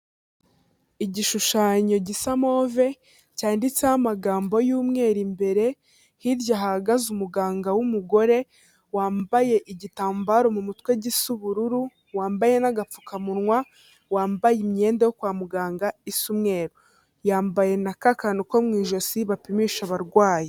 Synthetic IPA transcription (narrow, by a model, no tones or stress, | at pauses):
iɟiʃuʃaːɲo̞ɟisamo̞ːve̞ | caːndit͡sehamaɡaːmbo̞juːmŋe̞ːɾimbe̞ɾe̞ | hiɾjaɦaɡazumuɡaːŋɡawumuɡo̞ɾe̞ | waːmbaje̞ʔiɟitaːmbaɾo̞mumutkwe̞ɟisuβuɾuɾu | waːmbaje̞naɡap͡fu̥kʰamunŋwa | waːmbajimɲe̞ːndajokwaːmuɡaːŋɡaisumŋe̞ːɾo | jaːmbaje̞nakakanuko̞mŋiːʒo̞siβapimiːʃaβaɾɡwaːje